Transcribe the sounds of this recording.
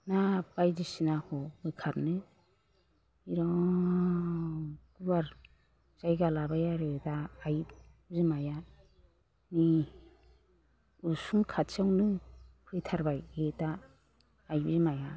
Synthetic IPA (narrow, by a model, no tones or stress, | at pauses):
nabajdisinahɔmɯkʰaɾnɯ | iɾɔ | kubaɾ | z̥ajɡalabajaɾɯtaːjbzɯmaja | ni | usumkʰatt͡ʃawnɯpʰɯjtʰaɾbajetaː | jbzimaja